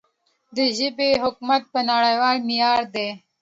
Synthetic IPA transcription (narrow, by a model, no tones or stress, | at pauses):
d̪əʒɪbeɦʊkmat̪̚pənaɽajwɑːlmijɑːɾd̪e